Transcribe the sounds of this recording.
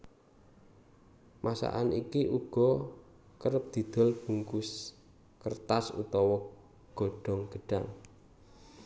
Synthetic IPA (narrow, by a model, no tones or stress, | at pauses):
mʔasa̰ʔanikiʔuɡ̥ɔ̤ | kəɾəp̚d̪̥i̤d̪̥ɔ̤lb̥uŋkʊs | kərt̪asṵt̪ɔwɔ | ɡ̥ɔ̤ɖ̥ɔ̤ŋɡ̥əɖ̥aŋ